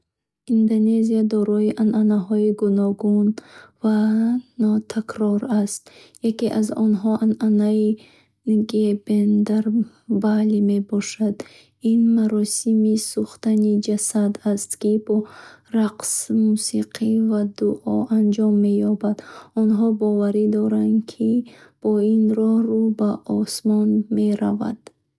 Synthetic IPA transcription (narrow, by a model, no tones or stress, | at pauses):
ind̪one̞ziad̪ɔɾɔiʔanʔanaɦɔiɡunɔɡunvanɔt̪ʰakɾɔɾast̪jakeʔazɔnɦɔʔananai | ɡebend̪aɾ | balime̞bɔʃad̪ | inmaɾɔsimisuχt̪anid͡ʒasad̪ast̪kibɔɾaqsmusiqʰivad̪uʔɔʔand͡ʒɔmːe̞jɔbad̪ɔnɦɔbɔvaɾid̪ɔɾankʰib̥ɔinɾɔhɾubaʔɔsmɔnme̞ɾa̰va̰d̪̥